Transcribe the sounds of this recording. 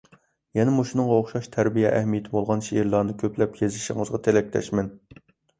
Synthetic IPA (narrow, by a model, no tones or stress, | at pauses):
jɛnɛmuʃunɨŋʁɑoχʃɑʃt̪ʰæɾbijɛʔæhmijet̪ʰɪbolˠʁɑnʃeʔiɾlˠɑɾnɨkʲʰøpʰlɛpjezɪʃɪ̰ŋəzʁɑt̪ʰelɛk̚ʲt̪ɛ̰ʃmɛn